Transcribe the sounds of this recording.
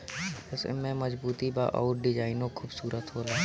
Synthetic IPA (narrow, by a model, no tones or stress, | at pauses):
ɛsɛ̰mẽməzbuːt̪iba̰ʔɔ̰ːɾɖɪd͡ʒaːɪnõkʰuːbsuːɾət̪ɦoːlaː